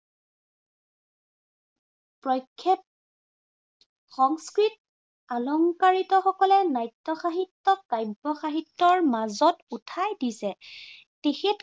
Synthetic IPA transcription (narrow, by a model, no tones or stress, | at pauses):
pɹɔjkʰːɛ | xɔŋskɹit̚ | alɔŋkaɹitɔxɔkɔlɛnajtːɔxaɦitːɔkajbɔxaɦitːɔɹmazɔtutʰajdisɛ | texet